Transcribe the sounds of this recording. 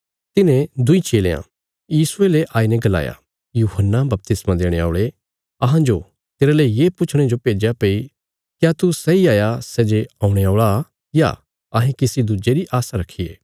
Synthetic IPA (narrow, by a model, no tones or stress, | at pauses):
t̪ɪnẽd̪ʊit͡ʃeːlḛːã̰ | jiːsʊeleʔaːinɛ̃ɡɐla̰ːja̰ | juːɦənːabɐp̚t̪ɪsmãd̪eːɽ̃ea̰ːʊɭe | ɐɦãd͡ʒo | t̪eːɾaləijeːpʊt͡ʃʰɽ̃ed͡ʒopeːd͡ʒjapei | kjat̪usɛiaːjasɛːd͡ʒeãːũɽ̃eaːɭa | ja̰ | ɐɦẽkɪsid̪ud͡ʒeɾiʔaːsaɾɐkʰːijḛː